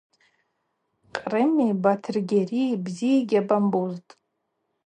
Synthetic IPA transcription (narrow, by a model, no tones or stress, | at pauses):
qʼrɨmibatʰɨrɡʲeribzijaɡʲabambuztʼ